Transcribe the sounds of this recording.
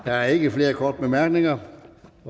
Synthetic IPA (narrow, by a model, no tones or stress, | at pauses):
d̥ææɐe̝ɡ̥əfle̝ːɐkʰɒːd̥əb̥emæɐ̰ɡ̥ne̝ŋɐ